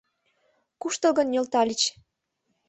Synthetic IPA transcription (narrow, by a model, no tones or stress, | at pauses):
kuʃt̪ə̆lɣənjʲølt̪ɑlʲit͡ɕ